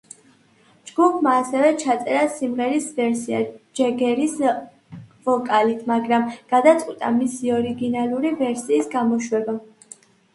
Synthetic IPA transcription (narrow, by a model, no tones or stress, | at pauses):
d͡ʒɡupʰmaːsɛvɛt͡ʃʰat̪sʼɛɾasimʁɛɾisvɛɾsiad͡ʒɛɡɛɾis | vɔkʼalit̪ʰmaɡɾamɡ̥ad̪at̪sʼqʼwit̪ʼa̰misiɔɾiɡinalˠuɾivɛɾsiːsɡamɔʃwɛba